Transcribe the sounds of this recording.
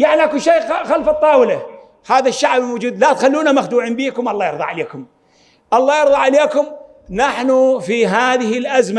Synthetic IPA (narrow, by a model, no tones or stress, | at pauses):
jaʕniʔakuʃeːxalfɨt̪ˤːɑːwɪla | haːðaʃːaʕbɪlwʊd͡ʒuːd̪lat̪xalːuːnamaxd̪uːʕiːmbiːkʊmʔɑlˤːɑːjɑɾðˤɑ̰ʕaleːkʊm | ʔɑlˤːɑːjɑɾðˤɑʕaleːkʊm | naħnufiɦaːðɪhɪlʔazma